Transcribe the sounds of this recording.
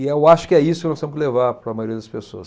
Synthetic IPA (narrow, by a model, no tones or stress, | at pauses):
ɪewaʃʊ̥kɪɛisʊkɪnɔ̃st̪emʊskɪlevaɾpɾɐmajoɾiɐd̪ɐspesoɐs